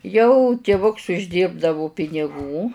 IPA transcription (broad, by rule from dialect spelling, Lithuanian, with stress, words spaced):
jɛʊ tʲɪˈʋʊks ʊʒʲˈdʲiːrbdɐʋʊ pʲɪnʲɪˈɡuː